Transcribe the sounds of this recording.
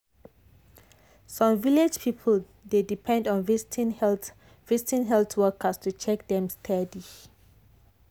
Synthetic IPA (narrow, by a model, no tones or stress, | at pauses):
sɔ̃mviled͡ʒpʰipʰəl | dedipʰɛ̃ndɔ̃nvistn | vistĩnɦɛltʰwɛkʰəstut͡ʃɛk̚dɛ̃mstʰɛdi